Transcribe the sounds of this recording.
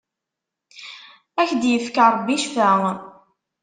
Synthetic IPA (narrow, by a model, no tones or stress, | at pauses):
æçd̪jəfkaɾˤbːiʃfæʁ